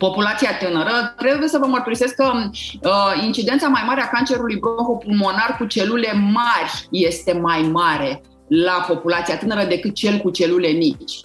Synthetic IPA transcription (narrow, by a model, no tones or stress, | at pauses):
po̞pulat̪siat̪ɨnəɾət̪ɾe̞buje̞səvəmərt̪uɾise̞skə | int͡ʃid̪ent̪samajmaɾe̞akant͡ʃe̞ɾulujbɾoŋkopulmo̞narkut͡ʃe̞lule̞marʲje̞st̪e̞majmaɾe̞ | lapo̞pulat̪sijat̪ɨnəɾəd̪e̞kɨt̪̚t͡ʃe̞lkut͡ʃe̞lule̞mit͡ʃʲ